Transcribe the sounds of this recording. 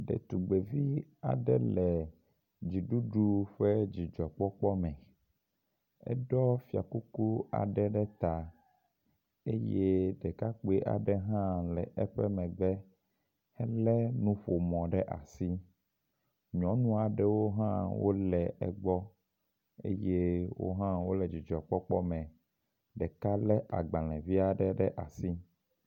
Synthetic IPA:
ɖɛ̰˨t̪u˨ɡ͡be˨vi˦a̰˨ɖɛ̰˦lɛ˨ | d͡ʑi˨ɖu˦ɖu˦ɸɛ˦d͡ʑi˨d͡ʒɔ˨k͡pɔ˦k͡pɔ˦mɛ̃˨ | ɛ̰˦ɖɔ˦fi˨a̰˨ku˦ku˦a̰˨ɖɛ˦ɖɛ˦t̪a˨ | e˦je˦ɖɛ˨ka˦k͡pe˦ʔa̰˨ɖɛ˦ɦã˦lɛ̰˨ʔɛ˦ɸɛ˦mɛ̃˨ɡ͡bɛ˦ | hɛ˦lɛ˦nũ˦ɸo˨mɔ̃˨ɖɛ˦ʔa̰˨si˦ | ɲɔ̃˨˦nũ˦a˨ɖɛ˦wo˦ɦã̰˦wo˦lɛ˨ɛ̰˦ɡ͡bɔ˦ | ḛ˦je˦wo̰˦ɦã˦wo˦lɛ˨d͡ʑi˨d͡ʒɔ˨k͡pɔ˦k͡pɔ˦mɛ̃˨ | ɖɛ˨ka˦lɛ˦ʔa̰˨ɡ͡bã˨lɛ̃˨vi˦a˨ɖɛ˦ɖɛ˦ʔa˨si˦

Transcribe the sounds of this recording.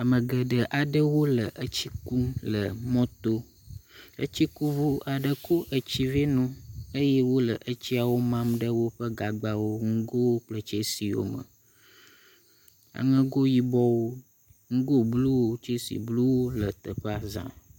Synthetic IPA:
a˨mə̃˨ɡə˨ɖə˨ʔa˨ɖə˦wo˦lə˨ʔə˦t͡ɕi˦ku˦lə˨mɔ̃˦t̪o˦ | ə̰˦t͡ɕi˦ku˦vu˦ʔa˨ɖə˨ko˦ʔə˨t͡ɕi˦ve˦nũ˦ə˦je˦wo˦lə˨ʔə˦t͡ɕi˦a˨wo˦mã˦mɖə˦wo˦ɸə˦ɡa˨ɡ͡ba˨wo˦ŋ̩˦ɡo˦wo˦k͡plə˨t͡ʃe˦si˨wo̰˦mə̰˨ | a̰˨ŋə̃˦ɡo˦ji˦bɔ˦wo˦ | ŋ̩˦ɡo˦blu˦wo˦t͡ʃe˦sḭ˨blu˦wo˦lə˨t̪ə˨ɸa˦zã̰˨

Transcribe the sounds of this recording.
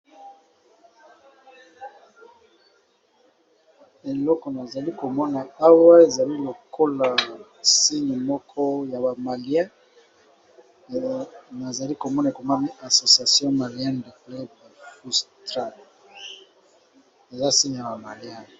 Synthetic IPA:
e˨lɔ˦kɔ˨na˨za˨li˦ko˨mɔ˦na˨a˦wa˦e˨za˨li˦lo˨kʰo˦la˨ | si˦ɲi˨mɔ˦kʰɔ˦ja˨ba˨ma˨li˦ɛ̃˦ | na˨za˨li˦ko˨mɔ˦na˨ko˨ma˦ni˦a˨so˨sja˨sjɔ̃˦ma˨ljɛ̃˦nde˨plɛ˦dfu˦stʁa˦ | e˨za˦si˦ɲi˨ja˨ba˨ma˨li˨ã˦˨

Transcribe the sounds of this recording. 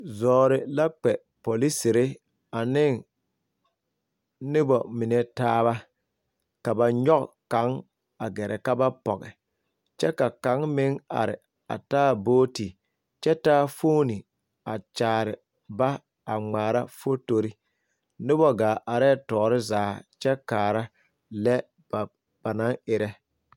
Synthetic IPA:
zɔː˨ɾɪ˨la˦k͡pɛ˨ | po˨li˦sɪ˨ɾɪ˦ | a˨nɪ˦ŋ | nɪ˦bɔ˨mɪ˨nɛ˨taː˦βa˦ | ka˨ba˨ɲɔ˦kka˨˦ŋ | a˨ɡɛ˨ɾʔɛ˨ka˦ba˦pɔ̰˨ɣɛ̰˨ | t͡ʃɛ˦ka˨ka˨˦ŋmɪ˦ŋa̰˨ɾɪ̰˨ | a̰˨taː˦boː˦ti˨ | t͡ʃɛ˦taː˦foː˦ni˨ | a˨t͡ʃaː˨ɾɪ˨ | ba˦ | a˨ŋ͡maː˨ɾa̰˦fo˦to˨ɾi˦ | nɪ˦bɔ˦ɡaː˨ʔa˨ɾɛ˦˨tɔː˨˦ɾɪ˦zaː˨˦t͡ʃɛ˦kaː˨ɾa˦ | lɛ˦˨ | b̥a˨na˨˦ŋɪ˨ɾɛ˦

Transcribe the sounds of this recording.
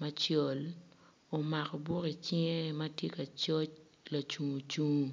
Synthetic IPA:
ma˦t͡ʃɔ˨l | o˨ma˨kɔ˨bu˦ki˨t͡ʃɪ˦ŋe˦mɐ˦tje˦ka˨t͡ʃɔ˦t͡ʃ | la˨t͡ʃu˨ŋu˨t͡ʃu˦ŋu˨

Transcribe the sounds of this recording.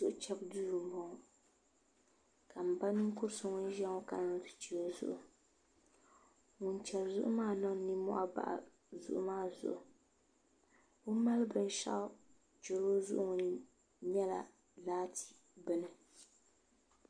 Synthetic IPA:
zʊ˦ʔt͡ʃɛ˦bduː˦ɾu˨m˨bɔ˨ŋ˨ | ka˨m̩˨ba˦nɨ˦ŋ̩˦kʊ˦ɾsʊ˦ŋɔ˦n˦ʒɛ˦ŋɔ˦ka˨n˨˦tɨ̥˨t͡ʃi˦o˦zʊ̰˦ʔʊ˨ | ŋʊ˨nt͡ʃɛ˨bzʊ̰˦ʔʊ˦maː˦˨nɨ˦ŋ˨˦ni˦mɔ̰˦ʔa̰˦ba̰˦˨ʔa̰˨ | zʊ̰˨ʔʊ˦maː˦˨zʊ̰˨ʔʊ˨ | o˦ma˦lɨ˦bɨ˦n˦ʃa̰˦ʔ | d͡ʒo˨lo˦zʊ̰˦ʔʊ˦ŋ˨n˦ | ɲɛ˦la̰˨ | laː˦tʰi̥˨ | bɨ˦nɨ˨

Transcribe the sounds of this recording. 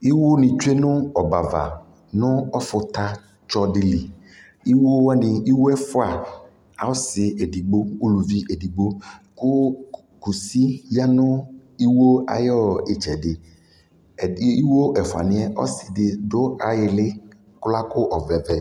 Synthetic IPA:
i˦wo˦nɪ̃˨t͡ʃe˦nʊ˦ɔ˨ba˨va̰˨ | nʊ̃˦ɔ˦fʊ˨t̪a˦ | t͡ʃɔ˦dɪ˨li˨ | i˦wo˦wa˦nɪ̃˨i˦wo˦ɛ˦fʊ˦a˨ | a̰˨wʊ˦sɪ˨e˨di˨ɡ͡bo˦u˦lu˨vi˦ʔe˨di˨ɡ͡bo˦kʊ˦ | ku˨si˦ja˦nʊ̃˦i˦wo˦a̰˨jɔ˦ɪ˨t͡ʃɛ˨dɪ˨˦ | i˦wo˦ʔɛ˨fʊ˨a̰˨nɪ̃˦ɛ˦ʔɔ̰˦sɪ˨dɪ˨dʊ˦a˨jɪ˨lɪ˦ | kʊ˦la˦kʊ˦ʔɔ˨vɛ˨vɛ˨

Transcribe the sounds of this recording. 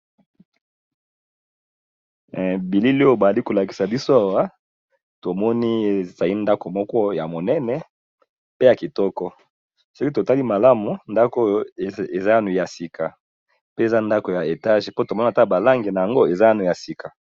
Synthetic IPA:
bi˨li˦lo˦ba˨a˨li˦ko˨la˨ki̥˨sa˨bi˦so˦a˨wa˦ | to˨mɔ˦ni˦˨z̥a˨li˦nda˦ko˨mɔ˦kɔ˦ja˨mo˨nɛ˦nɛ˨ | pe˦ja˨ki˨tɔ˦kɔ˦ | sɔ˦ki˦to˨ta˦li˦ma˨la˦mu˨nda˦ko˦jo˦˨e˨za˦ja˦nu˨ja˨si˨kʰa˨ | pe˦e˨za˦nda˦ko˨ja˨e˨ta˦ʒe˨po˦to˨mɔ˦n˦a˨ta˦˨ba˨la˦ŋɡi˨na˨ja˨ŋɡo˦e˨za˦ja˦nu˨ja˨si˨ka˨

